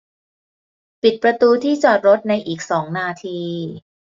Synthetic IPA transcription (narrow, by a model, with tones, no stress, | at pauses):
pi˨˩t̪̚pɾa˧t̪uː˧t̪ʰiː˥˩t͡ɕɔː˨˩t̪̚ɾo˦˥t̪̚na˧jʔiː˨˩k̚sɔː˩˦ŋnaː˧t̪ʰiː˧